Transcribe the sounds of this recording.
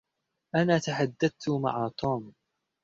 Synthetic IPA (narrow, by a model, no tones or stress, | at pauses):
ʔanaːt̪aħad̪ːad̪̚t̪ʊma̰ʕaːt̪ˤuːm